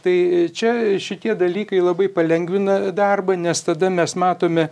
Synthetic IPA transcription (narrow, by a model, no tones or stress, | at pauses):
t̪ɐɪt͡ʃʲɛʃʲɪt̪ʲiɛd̪ɐlʲiːkɐɪlˠɐbɐɪpɐlʲɛŋɡʋʲɪnɐd̪ɐrbɐnʲɛst̪ɐd̪ɐmʲɛsmɑːt̪oːmʲɛ